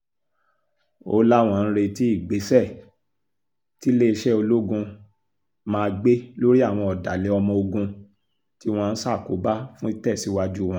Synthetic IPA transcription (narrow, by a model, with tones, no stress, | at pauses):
o˧˦la˦w̃ɔ̃˧˨ñ̩˦ɾe˧ti˦i˦˨ɡ͡be˨˦sɛ˦˨ | ti˨˦le˦˧ʃɛ˦o˧lo˦ɡũ˧ | mãː˧ɡ͡be˦lo˦ɾi˦a˦˨w̃ɔ̃˧ɔ˨da˨le˨˦ɔ˧mɔ̃˧o˧ɡũ˧ | ti˦w̃ɔ̃˧n̩˦sa˦˨ko˨˦ba˦fũ˦i˦tɛ˦˨si˨˦wa˦d͡ʒu˦˨w̃ɔ̃˦